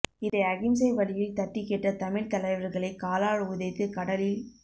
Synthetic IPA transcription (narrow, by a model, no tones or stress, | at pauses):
ɪðɐɪɐɣɪmsɐɪʋɐɭɪjɪlt̪ɐʈːɪkeʈːɐt̪ɐmɪɾt̪ɐlɐɪʋɐɾɣɐɭɐɪkaːlaːɻɯʊðɐɪt̪ːɯkɐɽɐlɪl